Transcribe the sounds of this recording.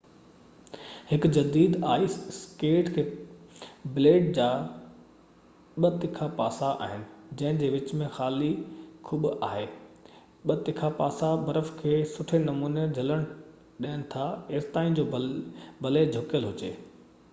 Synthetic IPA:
hɪkd͡ʑɐd̪iːd̪aːisskeːʈkʰeː | bɪleːʈd͡ʑaː | ɓɐt̪ɪkʰapaːsaʔa̰ːɦɪnɪ̆d͡ʑɐ̃ɦɪ̃d͡ʑeːʋɪt͡ɕmẽxaːlikʰuːɓʊaːɦeː | ɓɐt̪ɪkʰapaːsabɐɾəfkʰeːsʊʈʰenɐmuːned͡ʑʱɐləɽ̃ | ɗiːɪñɪ̆t̪ʰaeːst̪aːĩd͡ʑoːbʱɐled͡ʑʱʊkjəlɦʊt͡ɕeː

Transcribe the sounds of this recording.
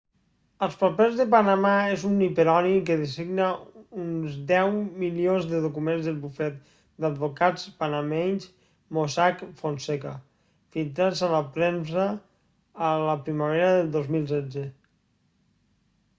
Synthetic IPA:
əlˠspapɛzðəpanamaezunipeɾɔnik̬əðesiɡnəunzd̪ɛwmilionzðəðukumenzðəlˠβufɛt̪̚ | d̪ad̪̚βokat͡spanameɲs | mosakfonseka | filˠt̪ɾad͡zaləpɾɛns̬əː | ləpɾimaβ̞eɾaðəlˠd̪ozmilˠsɛd͡ze

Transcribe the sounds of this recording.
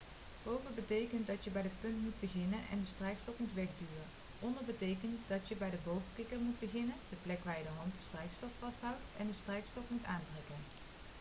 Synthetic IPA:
b̥owvəbətejkənt̚dɑtjəbɛjdəpɵntmud̚bəɣɪnənʔɛ̰ndəstrɛjkstɔfmutʋɛχdyːrən | ʔɔndəɹbətejkəntdɑtjəbɛjdəbowvəkɪkərmut̚bəχɪnənd̥əplɛkʋaːɹjədəɦɑntdəstrɛjkstɔffɑstɦʌwtɛndəstrɛjkstɔfmutaːntrɛkən

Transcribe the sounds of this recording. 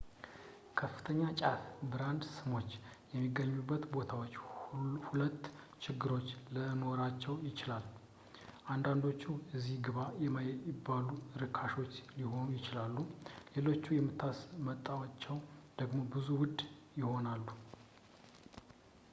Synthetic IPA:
kʰəfːɨ̥t̪ʰəɲːat͡ʃʼafbɨɾand̪sɨmo̞t͡ʃːjɛmːiɡːəɲːubːət̪bo̞t̪ʰawo̞t͡ʃːhulət̪ː | t͡ʃʰɪɡːɨɾo̞t͡ʃːləno̞ɾat͡ʃːɛwjɪt͡ʃɪlal | ʔand̪and̪o̞t͡ʃːuɨzːihɡɨβajɛmajɪbːaluɾɨkʰaʃo̞t͡ʃːliho̞nujɪt͡ʃɪlalːule̞lo̞t͡ʃːujɛmːɨt̪ʰːasmət̪ʼːawat͡ʃːɛwd̪̥əɡmo̞bɨzuwʊd̪jɪho̞nalːu

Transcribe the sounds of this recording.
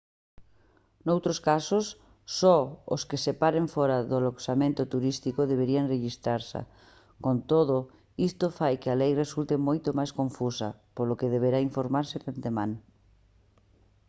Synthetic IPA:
nowt̪ɾoskasosː | ɔo̰skesepaɾeɱfɔɾaðʊaloksamẽnt̪ʊt̪uɾist̪ikoðeβeɾianreʃist̪ɾaɾsa̰ | kont̪oðʊ | ist̪ofajkɪalejresult̪emojt̪omajskõɱfusɐ̰polokeðeβ̞eɾaiɱfoɾmaɾsɪðant̪emãŋ

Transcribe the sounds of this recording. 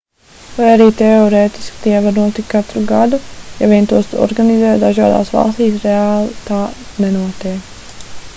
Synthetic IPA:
vajaɾiːt̪ɛɔɾeːt̪i̥skt̪iɛvaɾnuɔt̪ikkat̪ɾuɡad̪ujaviɛnt̪uɔst̪ɔ̰ɾɡanizɛːt̪d̪aʒaːd̪a̰ːsʋɑ̰lˠst̪iːsɾeaːlˠt̪aːnɛnuɔt̪ɛː

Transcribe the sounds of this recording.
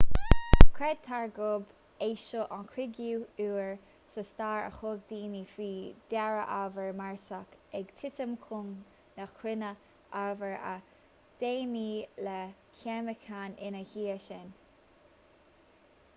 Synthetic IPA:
kʰɾɛd̚t̪ʰaɹɡʊb | eːʃoʔankʰɾɪɡjuːuːɹ | səstaːɹə̰xoɡ̚d̪iːnifiːd̪̥ɛɹə̰ʔavəɹmaɹsakɛɡt̪ʰɪtəmkʰʊŋ | nakʰwɪnə | ʔavəɹə̰ | d̥eːnilɛkʰɛməkʰanɪnəhiːəʃɪn

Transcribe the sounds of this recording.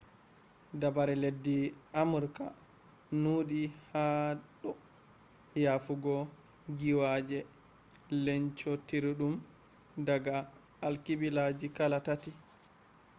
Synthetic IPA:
dabaɾɛledːiamuɾka̰ | nuɗihaɗɔ | jafuɡɔ | ɡiwad͡ʒɛ | lɛɲt͡ʃɔtiɾiɗum | daɡaː | lkibilad͡ʒikalatati

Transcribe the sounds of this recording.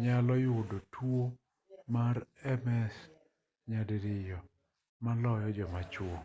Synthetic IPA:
ɲalɔjʊdotʰwo | maɾɛmɛs | ɲadeɾɪjɔ | malɔjɔd͡ʒɔmat͡ʃwo

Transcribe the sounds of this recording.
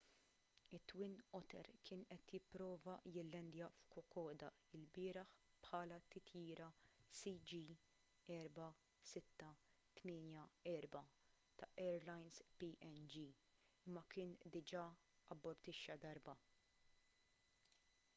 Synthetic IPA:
ɪt̪ːwɪnʔɔt̪ɛ̰ɾkʰɪːnʔɛt̪jɪpːɾɔːvɐjɪlːɛnd̪jɐfkɔkɔːd̪ɐ | ɪlbɪːɾɐħ | pħɐːlɐt̪ɪt̪ʰjiːɾɐsid͡ʒi | ɛːɾbɐ | sɪt̪ːɐ | t̪mɪːnjɐɛːɾbɐ | t̪ɐʔɛːɾlɐjnspiʔɛnd͡ʒi | ɪmːɐkɪːnd̪ɪd͡ʒɐ | ɐbːɔɾt̪ɪʃːɐd̪ɐɾbɐ

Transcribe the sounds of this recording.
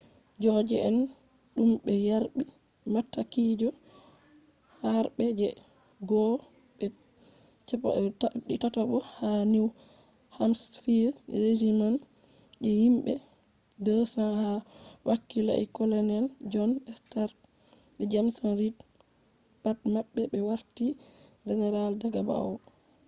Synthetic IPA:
d͡ʒɔd͡ʒɛɛn | ɗumɓɛjaɾɓi | matːakid͡ʒɔ | haɾɓɛd͡ʒɛ | ɡɔ | ɓɛ | t͡ʃ | ɗitataɓɔhaniw | hamsfiɾɾed͡ʒiman | ɗɛhimɓɛ | dɔsanhawakːila̰ʔɛ̰kɔloniald͡ʒɔnɛstaɾ | ɓɛd͡ʒamsanɾit | pat̚maɓːɛɓɛwaɾtid͡ʒɛnɛɾaldaɡaba̰ɔ

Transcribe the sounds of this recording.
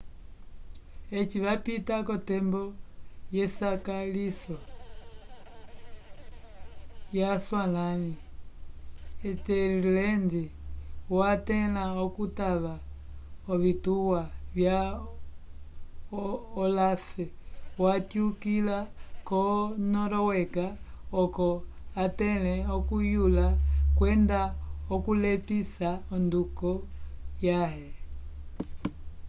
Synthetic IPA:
ɛt͡ʃiβapitakɔtɛmbɔjɛsakalisɔ | jaswanani | ɛtɛlilɛndiwatɛnaɔkutaβaɔβituwaβja | ɔlafɛwatjukilakɔnɔɾɔwɛkaɔkɔ | atɛlɛɔkujulakwɛndaɔkulɛpisaɔndukɔjaɦɛ

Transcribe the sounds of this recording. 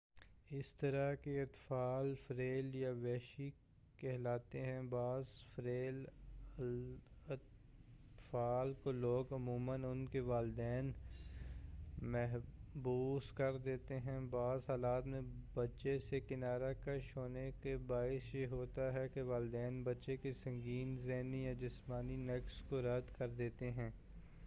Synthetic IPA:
ɪst̪ɐɾakeɐt̪faːlfɐɾeːljaʋɛːʃi | kɛɦlaːt̪eɦɛ̃baːzfɾeːl | faːlkoloːɡɐmuːmənʊnkeʋaːlɪd̪ɛːn | mɛɦbuːskɐɾd̪eːt̪eɦɛ̃baːzɦaːlaːt̪mẽbɐtːʃesekɪnaːɾakaʃoːnekebaːɪsjeɦoːt̪aɦɛkeʋaːld̪ɛːnbɐtːʃekesɐ̃ŋɡiːnzɛːnijad͡ʒɪsmaːninɛkskoɾɐd̪kɐɾd̪eːt̪eɦɛ̃ː

